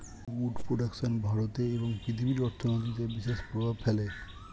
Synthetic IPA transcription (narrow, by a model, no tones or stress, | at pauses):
uɖpɾoɖakʃonbʱaɾot̪eeboŋpɾit̪ʰibiɾɔɾt̪ʰonot̪̬it̪ebiʃeʃpɾobʱabfʰele